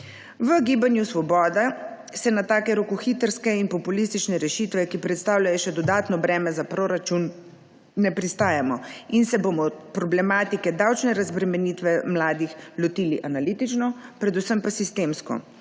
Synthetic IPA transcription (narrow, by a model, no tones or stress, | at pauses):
ʋəɡiːbanjusʋɔbɔːd̪a | sɛnat̪aːkɛɾokuxit̪əɾskɛinpɔpulist̪it͡ʃnɛɾɛʃit̪ʋɛkipɾɛt̪st̪aːwlʲajɔʃɛd̪ɔd̪aːt̪nɔbɾɛːmɛzapɾoɾat͡ʃunː | ɛpɾist̪aːjamɔinsɛbomɔpɾɔblɛmaːt̪ikɛd̪awt͡ʃnɛɾazbɾɛmɛnit̪ʋɛmlaːd̪ixlɔt̪iːliʔanalit̪it͡ʃnɔpɾɛd̪usəmpasist̪eːmskɔ̰